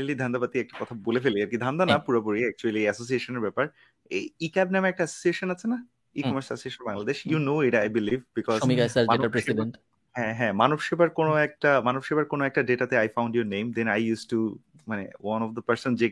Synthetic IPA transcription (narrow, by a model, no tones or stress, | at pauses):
lid̪ʱand̪apat̪iɛk̚ʈakɔt̪ʰabolefeliaɾkid̪ʱand̪anapuɾapoɾiɛk̚t͡ʃuɐliɛsos̬ieʃoneɾbɛpaɾ | eikabnamɛk̚ʈaɛsosieʃonat͡ɕʰena | ikkɔmasɛsieʃonbaŋlad̪eʃjunoiʈajbilivbikɔzomikasaenaɾesibenʈ | ɦɛ̃ɦɛ̃manufʃibaɾkonoɛk̚ʈamanofʃibaɾkonoɛk̚ʈaɖeʈat̪eajfãw̃ɳɖjoɾnẽjmd̪ɛ̃najjusʈu | manḛwanɔfd̪əpɐɾsɔnd͡ʑe